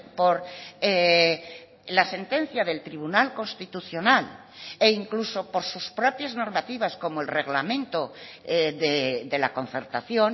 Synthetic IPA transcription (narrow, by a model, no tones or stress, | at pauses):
poɾe | lase̞nt̪e̞n̟θjaðe̞lt̪ɾiβ̞unalko̞nst̪it̪uθjo̞nal | eiŋkluso̞po̞ɾsuspɾopjazno̞ɾmat̪iβasko̞moelreɣlamẽ̞nt̪o | ðed̪e̞lako̞n̟θe̞ɾt̪aθjon